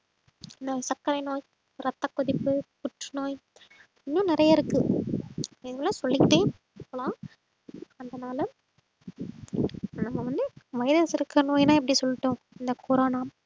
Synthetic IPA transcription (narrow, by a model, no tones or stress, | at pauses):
ɪnd̪ɐsɐkːɐɾɐɪnoːj | ɾɐt̪ːɐkːʊðɪpːɯpʊʈːɯnoːj | ɪnːʊ̃ːnɪɾɐjɐɪɾɯkːɯ | ɪðlːãːsɔlːɪkʈːeː | kɐɭãː | ɐnd̪ɐnaːlɐ | nɐmːɐʋɐnd̪ɯʋɐjɪðɐsɪɾɯkːɐnoːjnãːɪp̬ːɐɽisɔlːɪʈːõː | ɪnd̪ɐkʰoːɾoːnaːm